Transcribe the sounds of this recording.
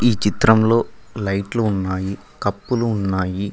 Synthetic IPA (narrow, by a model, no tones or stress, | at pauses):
iːt͡ʃit̪ɾɐmlo̞ːlɐjʈluːnːaːji | kɐpːuluːnːaːji